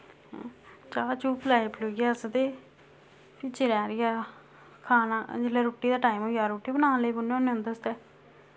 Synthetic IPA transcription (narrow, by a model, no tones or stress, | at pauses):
t͡ʃaːt͡ʃuːplaːipʰloɡjaːsəd̪eː | pɪt͡ʃeɾɛ̃ːɾɪjaː | kʰaːnaːd͡ʒɪlɛːɾoːʈiːd̪aːʈaːimoːɡjaːɾoːʈːiːbənãːləiːbʊnːeonːẽə̃nd̪əst̪ɛː